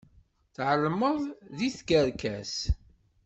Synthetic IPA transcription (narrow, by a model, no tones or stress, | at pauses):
θʕəlːməðˤðiθɡəɾkæs